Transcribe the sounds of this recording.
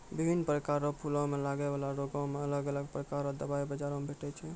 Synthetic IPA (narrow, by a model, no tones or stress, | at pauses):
bibʱinːpɾəkaɾɔpʰulɔ̃melaɡɛbalaɾoɡɔ̃meələɡələɡpɾəkaɾɔd̪əbaibəd͡ʒaɾõmebʱeʈɛt͡ʃʰɛ